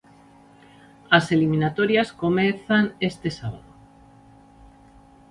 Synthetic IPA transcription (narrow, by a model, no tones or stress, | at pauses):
aselimĩnat̪oɾjaskomeθanest̪esaβa̰ðo